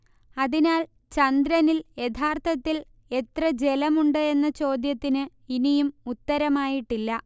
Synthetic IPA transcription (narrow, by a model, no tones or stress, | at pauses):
ɐðinaːl | t͡ɕɐnd̪ɾɐnilje̞t̪ʰaːrt̪ʰɐt̪ːil | e̞t̪rɐd͡ʑe̞lɐmuɳɖɨe̞nːɐt͡ɕo̞ːd̪jɐt̪ːinɨ | inijumut̪ːɐɾɐmaːjiʈːilːɐ